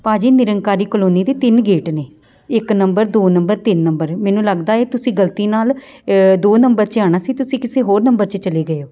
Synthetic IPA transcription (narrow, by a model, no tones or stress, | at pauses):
paːd͡ʒiːnɪɾəŋkaːɾiːkəloːniːd̪eːt̪ɪnɡeːʈneː | ɪknəmbəɾd̪oːnəmbəɾt̪ɪnːəmbəɾmɛ̃ːnũːləɡd̪aːeːt̪ʊsĩːɡəlt̪iːnaːl | d̪oːnəmbəɾt͡ʃaːɽ̃aːsiːt̪ʊsĩːkɪseːɦoːɾnəmbəɾt͡ʃət͡ʃəliːɡəeoː